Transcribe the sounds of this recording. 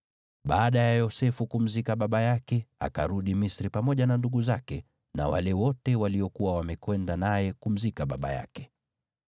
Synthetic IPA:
ɓaːɗajajɔsɛfukum̩zikaɓaɓajakɛa̰ka̰ɾuɗimisɾipamɔʄananduɠuzakɛ | na̰wa̰lɛwɔtɛwaliɔkuwawamɛkwɛndanajɛkum̩zikaɓa̰ɓa̰ja̰kɛ̥

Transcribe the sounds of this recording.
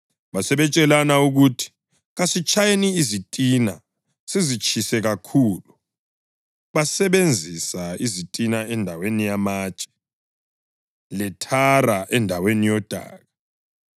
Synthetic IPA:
βasɛβɛt͡ʃʼɛlanauɣutʰi̥ | ɣasit͡ʃʼʰajeniːzitʼina̰ | sizit͡ʃʰʼisɛɣakʰuːlu | βasɛβend͡zʱisaizitʼinaɛndʱawenijamaːt͡ʃʼɛ̥ | lɛtʰaraʔɛndʱawenijɔd̥ʱa̰ːɣa

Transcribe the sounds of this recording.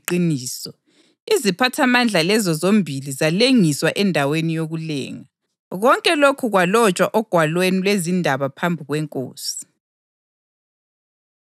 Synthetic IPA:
ǃiniːsɔ | izipʰatʰamand͡ɮʱalɛzɔzombʱilizaleŋiswaʔɛndʱawenijoɣulɛ̰ːŋa | ɣɔŋkʼɛlokʰuɣwalɔt͡ʃʼwaʔɔɡ̥ʱwalwenilwezindʱaβapʰambʱiɣwɛŋkʼo̰ːsi̥

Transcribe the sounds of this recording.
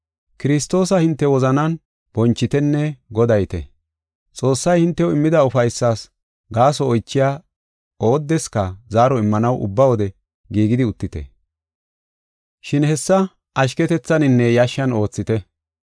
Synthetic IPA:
kɪɾɪst̪o̞ːsɐhɪnt̪ːɛwɔzɐnɐn | b̥ɔnt͡ʃːɪt̪ɛnːɛɡɔd̪ɐjt̪ɛ̰ | t͡sʼo̞ːsːɐjhɪnt̪ːɛɔɪmːɪd̪ɐʊfɐjsːaːs | ɡaːsɔːjt͡ʃːɪjaː | o̞ːd̪ːɛskɐzaːɾɔɪmːɐnɐwʔʊ̰bːɐwɔd̪ɛ | ɡiːɡɪd̪ɪʊt̪ːɪt̪ɛ̰ | ʃɪnhɛsːɐ | ʔɐʃ̬kɛt̪ɛt͡sːɐnɪnːɛjɐʃːɐno̞ːt͡sːɪt̪ɛ

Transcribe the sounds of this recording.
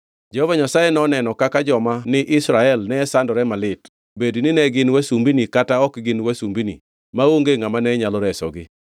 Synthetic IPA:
d͡ʒɛhɔvaɲasajenɔnɛnɔkakad͡ʒɔmanɪʔɪsɾaɛlnɛsandɔɾɛmalɪt | bednɪnɛɡɪnwasumbinikataɔkɡɪnwasumbinḭ | maoŋɡeŋamanɛɲalɔɾɛsɔɡɪ

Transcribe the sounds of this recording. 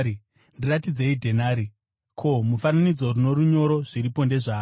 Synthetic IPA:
ndiratid͡ze̞idʱe̞naːɾi | kʰo̞mufananid͡zo̞runo̞ɾuɲo̞ɾo̞ʐ̥iɾipo̞nde̞ʐaː

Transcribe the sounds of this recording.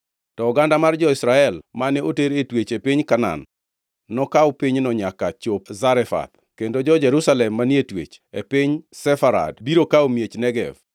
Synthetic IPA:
tɔːɡandamard͡ʒɔɪsɾaɛlmanɛoteɾetwet͡ʃepiɲkana̰nː | ɔkawpiɲnɔɲakat͡ʃopzaɾɛfa̰t̪̚ | kendod͡ʒɔd͡ʒɛɾusalɛmːanietwḛt͡ʃepɪɲsɛfaɾa̰dbiɾokaomjet͡ʃnɛɡɛ̰v

